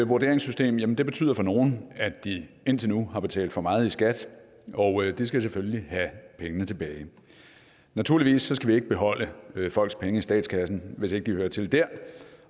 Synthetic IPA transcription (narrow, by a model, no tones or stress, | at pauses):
ʋuɐd̥e̝ɐ̰eŋsysd̥e̝̰ːmjæmənd̥e̝b̥e̝t͡sʰy̰ð̰ˠɐfɒ̽no̝ːn̩æd̥i | e̝n̰t͡sʰe̝nuhɑ̈b̥e̝t͡sʰɛ̰ːld̥fɒ̽mɑ̈ːð̞̩ˠisɡ̥æd̥ | ɒ̽ʊød̥is̬ɡ̥æseføljlihæpʰeŋənət͡sʰe̝b̥ɛːɪ | næt͡sʰuɐ̰liʋḭːsːɒ̽sɡ̥æʋie̝ɡ̥əb̥e̝ɦɒ̽l̰əfɒ̽l̰ɡ̥spʰeŋəisd̥ɛ̰ːd̥skʰæsn̩ʋe̝se̝ɡ̥əd̥ihøːɐt͡sʰe̝ld̥æɐ̰